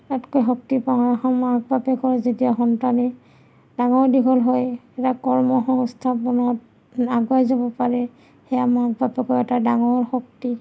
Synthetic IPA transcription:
tatkojɦɔk̚tipɔŋɹaxɔmak̚bapɛkɔɹɛzetiaxɔntani | daŋɔɹdikʰɔlɦɔjɛtakɔɹmɔxɔŋstʰapɔnɔt̚ | naɡajzabɔpaɹɛ | hɛjamaɡ̚bapɛkɔɹɛtadaŋɔɹxɔk̚ti

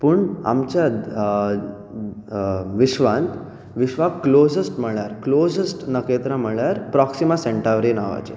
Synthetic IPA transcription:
pəɳa̰mt͡ɕja | ʋiʃʋãnt̪ | ʋiʃʋakloːsəsʈməɭjaɾkloːsəsʈnəket̪ɾaməɭjaɾpɾɔksimasẽɳʈaʋɾinaʋa̰t͡ʃe

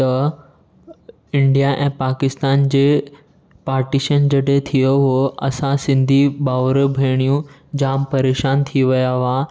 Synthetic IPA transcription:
t̪ɐ | ɪ̃ɳɖijaʔɛ̃ːpaːkɪst̪aːnd͡ʑeː | paːɾʈiʃənd͡ʑɐɽɦet̪ʰijoɦoɐsãsɪ̃nd̪ʱibaːʋəɾbʱeːɽ̃ijũ | d͡ʑaːmpɐɾeːʃaːnt̪ʰiʋɐjaʋa

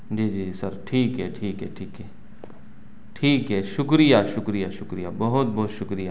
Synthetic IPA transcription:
d͡ʒiːd͡ʒiːsɐɾʈʰiːkɦɛʈʰiːkɦɛʈʰiːkɦɛ | ʈʰiːkɦɛʃʊkɾijaʃʊkɾijaʃʊkɾijabɐɦʊt̪̚bɔɦʊt̪ʃʊkɾija

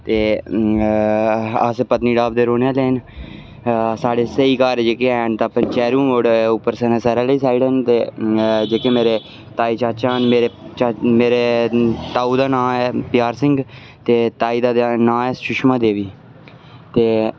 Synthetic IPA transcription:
t̪eː | əspət̪niːɖaːbd̪eːɾoːnaːleːn | saːɖeːsəiːkaːɾd͡ʒeːkẽɛːɳt̪apənt͡ʃɛːɾũːoːɽʊpːəɾsəːnẽːsɛːɾaləiːsaːiɽənt̪eːd͡ʒeːkẽːmeːɾeː | t̪aːiːt͡ʃaːt͡ʃaːnmeːɾeːt͡ʃːmeːɾeːt̪aːuːd̪aːnãːɛːpɪjaːɾsɪŋɡ | t̪eːt̪aːiːd̪aːd̪anãːɛːʃʊʃmãːd̪eːʋiː | t̪eː

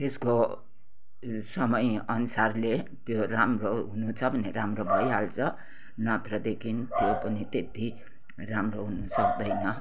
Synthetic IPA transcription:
t̪esko | sʌmʌjʌnusarle | t̪joramroɦunũt͡sʰʌbʱʌneɾamrobʱʌjɦalt͡sʰʌ | nat̪rʌd̪ekʰint̪jopʌnit̪et̪i | ramroɦunusʌk̚d̪ʌjnʌ

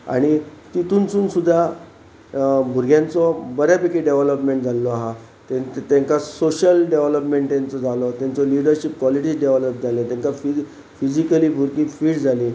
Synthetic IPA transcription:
a̰ɽ̃it̪it̪ʰũːnsuːnsud̪ʱːa | bʱuɾɡʱjãnt͡sɔbəɾjapekiɖeʋələpmeɳʈd͡zʱalːɔaɦa | t̪et̪ãŋkasoɕəlɖeʋləpmẽɳʈt̪jant͡sɔd͡zʱalɔt̪jãnt͡sɔliɖəɾɕip̚kʋɔliʈiɖeʋləp̚d͡zʱalet̪jãŋkafi | fid͡ʑikəliːbʱuɾɡifiːɽd͡zʱaliː

